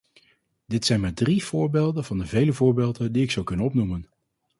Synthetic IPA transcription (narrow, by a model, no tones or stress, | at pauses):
d̥ɪtsɛjnmaːɹdriv̥ʊːɹbeːlˠdənvɑndəvejləvʊːɹbeːlˠdəndiɪksɑwkɵnənɔpnumən